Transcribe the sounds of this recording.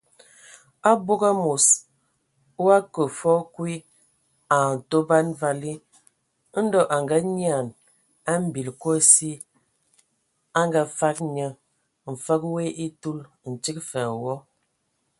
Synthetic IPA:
a˦bo˦ɡa˦mu˨s | u˦a˦kə˨fɔ˦kwi˦ | a˨n˨to˦ba˦nva˦li˦ | n̩˦dɔ˦ʔa˨ŋɡa˦ɲ˦a˨n | a˦m̩˦˨bi˨lko˦si˦ | a˦ŋɡa˦fa˦k̚ɲə˦ | m̩˨fə˦kwe˦ʔi˦tu˦l | n̩˨t͡ʃi˦kfɛ˨wɔ˦

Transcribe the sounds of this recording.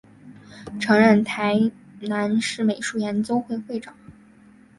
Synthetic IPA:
ʈ͡ʂʰɤ˧˥ŋɻə˥˩nt̪ʰa˧˥ɪ | na˧˥nʂɻ̩˥˩me˨˩ɪʂu˥˩jɛ˧˥nt͡so˥ʊxwe˥˧ɪxwe˥˩ɪʈ͡ʂɑ˨˩˦ŋ

